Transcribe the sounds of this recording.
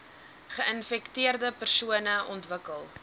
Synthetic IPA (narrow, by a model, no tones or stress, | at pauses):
χəənfɛktiərdəpərsuənəʔɔntvəkəlˠ